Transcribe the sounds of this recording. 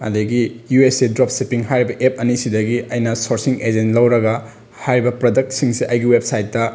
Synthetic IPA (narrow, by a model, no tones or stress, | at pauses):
ɐ̰diɡijuesidɾop̚sipiŋɦajɾibɐʔep̚ɐnisidɐɡiɐjnɐsoɾsiŋed͡ʒentlɐwɾɐɡɐ | hajɾibɐpɾodɐk̚tsiŋsiʔɐjɡiwep̚sajtːɐ